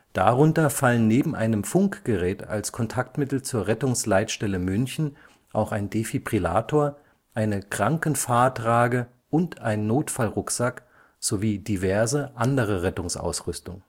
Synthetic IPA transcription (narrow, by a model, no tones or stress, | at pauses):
d̥aʁʊntɐfalənːeːbm̩ʔaɪnəmfʊŋkɡ̥əʁɛːta̰lskʰɔntʰaktmɪtl̩t͡suːɐʁɛtʊŋslaɪtʃtɛləmʏnçn̩ | ʔaʊxaɪndefipʁ̥ila̰ːtʰoːɐ | ʔaɪnəkʁ̥aŋkənfaɐtʁaːɡə | ʔʊntʔaɪnːoːtfalʁʊkz̥ak | z̥oviːdivɛɐzəʔandəʁ̞əʁɛtʊŋsʔa̰ʊsʁʏstʊŋ